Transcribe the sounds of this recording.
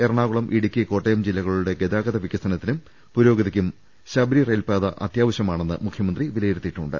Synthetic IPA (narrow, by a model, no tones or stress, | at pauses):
erɳaːɣuɭɐmʔiɽikʲːiko̞ːʈːejɐmd͡ʑilːɐɣɐɭuɽe̞ɡe̞d̪aːɡɐðɐʋikʲːɐst̪ɐnɐt̪ːinum | puɾo̞ːɡɐðikʲːum | ɕɐbɾirejlpaːðɐʔɐ̰t̪jaːʋɐɕjɐmaːɳe̞nːɨmukʰjɐmɐnd̪riʋilɐjiɾut̪ːiʈːuɳɖɨ̰